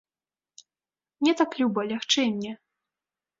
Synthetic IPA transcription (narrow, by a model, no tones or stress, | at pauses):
nʲɛt̪aklʲubɐlʲaxt͡ʂɛnʲːɛ